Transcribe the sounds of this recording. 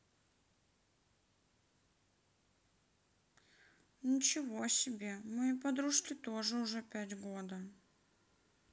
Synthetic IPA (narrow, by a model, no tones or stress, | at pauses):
nʲɪt͡ɕɪvoɐsʲɪbʲe̞mɨpɐd̪ɾuʂkʲɪt̪oʐɨʊʐɛpʲætʲɡod̪ə